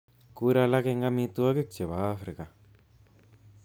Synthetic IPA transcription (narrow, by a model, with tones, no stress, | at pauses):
ku˧˦ɾa˧la˦ke˦˧ŋɡa˦mĩ˧t̪u˦a˦ke˦t͡ʃe˨βa˨a˦fɾi˨ka˨